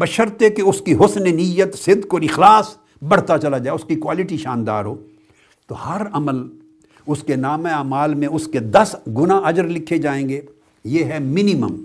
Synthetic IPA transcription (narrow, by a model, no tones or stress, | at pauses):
bɐʃəɾt̪ekeʊskiɦʊsnenɪjət̪sɪd̪koːɾɪxlaːs | bɐɽ̤t̪at͡ʃɐlad͡ʒaːeʊskikwaːlɪʈiʃaːnd̪a̰ːɾɦoː | t̪ohɐɾɐməl | ʊskenaːmẽaːmaːlmẽʊsked̪ɐsɡʊnaʔɐd͡ʒəɾlɪkʰːed͡ʒaːẽːɡeː | jeːɦɛmɪnɪmə̰m